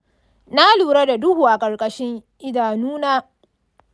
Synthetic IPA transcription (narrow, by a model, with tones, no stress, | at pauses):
na˦luː˨ɾa˦da˨dʊ˦huː˨ʔa˨kʼɐ˨rkʼɐ˦ʃɪ˦ŋʔɪ˦daː˨nuː˦naː˦